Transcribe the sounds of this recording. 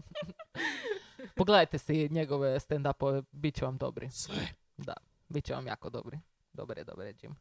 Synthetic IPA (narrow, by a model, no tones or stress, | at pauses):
poɡled̪ajt̪esiɲeɡoʋest̪end̪apoebit̪̚t͡ɕeʋamd̪o̞̰bɾḭsʋɛ | d̪a̰ | bit̪̚t͡ɕeʋa̰mja̰ːkod̪o̰bɾi | d̪obaɾjed̪obaɾed͡ʒḭm